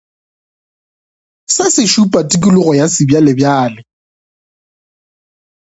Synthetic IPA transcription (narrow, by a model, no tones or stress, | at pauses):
sasɪʃupʼatʼikʼilʊɣɔjasɪbjalɪbjaːlɪ